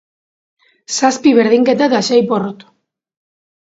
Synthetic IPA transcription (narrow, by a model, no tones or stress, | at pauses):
saspiβeɾð̞iŋket̪̬at̪aʃajporot̪